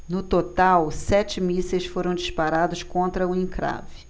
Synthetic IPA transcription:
nʊt̪ot̪awsɛt͡ʃɪmisejsfoɾɐ̃w̃d͡ʒiʃpaɾad̪ʊskõnt̪ɾɐʊĩkɾa̰vɪ

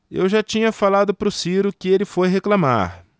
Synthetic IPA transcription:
ḛwʒat͡ʃĩɲɐfalad̪ʊpɾʊsiɾʊkɪelɪfojɦeklama̰ɾ

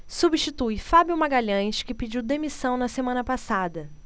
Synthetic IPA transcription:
subiʃt͡ʃit̪ujfabjumaɡaʎɐ̃ʃkɪpid͡ʒiwd̪emisɐ̃w̃nɐsemɐ̃nɐpasad̪ɐ

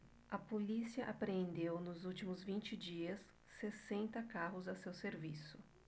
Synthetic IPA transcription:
ɐpolisiɐʔapɾeẽnd̪ewnʊzuwt͡ʃimʊzvĩnt͡ʃɪd͡ʒiɐsː | esẽnt̪ɐkaɦʊzɐsewseɾvisʊ

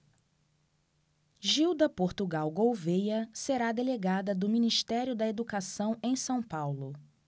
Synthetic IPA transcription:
ʒiwd̪ɐpoɾt̪uɡawɡowvejɐseɾad̪eleɡad̪ɐd̪ʊminiʃt̪ɛɾjʊd̪ɐed̪ukasɐ̃w̃ẽj̃sɐ̃w̃pawlʊ

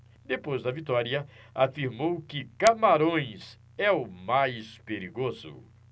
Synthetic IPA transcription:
d̪epojzd̪ɐvit̪ɔɾiɐ | afiɾmowkɪkamaɾõj̃s | ɛʊmajspeɾiɡozʊ̰

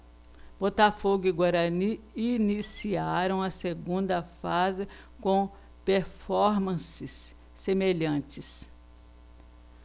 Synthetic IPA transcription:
b̥ot̪afoɡʊiɡwaɾɐni | inisiaɾɐ̃w̃ɐseɡũnd̪ɐfazɪ | kõ | peɾfɔɾmɐ̃sɪsː | emeʎɐ̃t͡ʃɪs

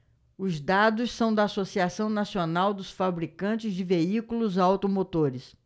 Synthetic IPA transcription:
ʊzd̪ad̪ʊssɐ̃w̃d̪ɐaːsosiasɐ̃w̃nasionawd̪ʊsfabɾikɐ̃nt͡ʃɪzd͡ʒɪveikulʊzawt̪omot̪oɾɪs

